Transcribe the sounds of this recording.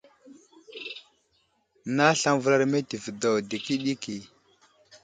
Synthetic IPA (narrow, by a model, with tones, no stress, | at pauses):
na˦ɬa˦ŋvə˦la˦ɾme˦ti˨vdo˨wdi˨ki˦ɗi˦ki˨